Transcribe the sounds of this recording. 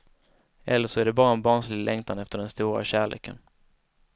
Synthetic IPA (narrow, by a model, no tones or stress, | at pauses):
ʔɛlːəʂɔæɖɛbɑːɾaɛnbɑːɳʂlɪɡlɛŋt̪ʰanɛft̪əɖɛnst̪uːɾa̰ɕæːɭḛːkʰən